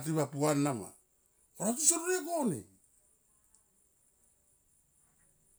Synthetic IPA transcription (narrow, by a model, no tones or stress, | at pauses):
t̬iβapuanːama̰ | oɾatusoɾuɾekonḭ